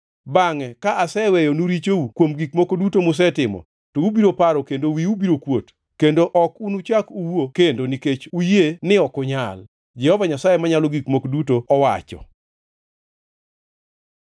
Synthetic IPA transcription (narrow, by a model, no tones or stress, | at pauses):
baŋɛkaʔasɛwɛjonuɾit͡ʃoukwomɡikmokodutomʊs̬ɛtɪmɔ̰ | toubiɾopaɾɔkendowiubiɾokwot | kendoʔɔkunut͡ʃakuwokendoniket͡ʃujenɪɔkʊɲal | d͡ʒɛhɔvaɲasajemaɲalɔɡikmokodutoɔwa̰t͡ʃɔ̰